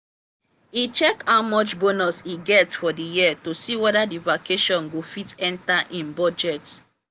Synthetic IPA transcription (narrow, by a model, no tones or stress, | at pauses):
it͡ʃɛkawmɔt͡ʃbonɔsiɡɛtfɔdijiatosiwɛɾadivakʰeʃɔ̃nɡofitɛ̃ntaʔĩnbɔd͡ʒɛt